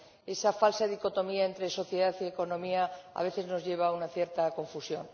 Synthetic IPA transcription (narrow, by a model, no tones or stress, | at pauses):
e̞safalsaðiko̞t̪o̞miaent̪ɾeso̞θje̞ðaθie̞ko̞nõ̞miaa̰βe̞θezno̞zʝe̞β̞aunaθje̞ɾt̪ako̞ɱfusjo̞̰n